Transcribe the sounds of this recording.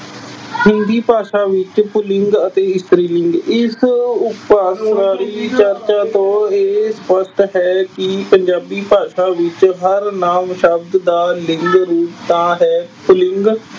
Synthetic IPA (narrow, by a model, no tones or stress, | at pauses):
hɪ̃nd̪iːpaːʃãːʋɪt͡ʃpʊlɪŋɡət̪eːɪst̪ɾiːlɪŋɡɪsʊpaːsɾaːɾiːt͡ʃəɾt͡ʃaːt̪õːeːspəsʈ̪ɦɛːkɪpəɲd͡ʒaːbiːpaːʃãːʋɪt͡ʃɦəɾnaːmʃəb̚d̪d̪aːlɪŋɡɾuːpt̪ãːɦɛːpʊlɪŋɡ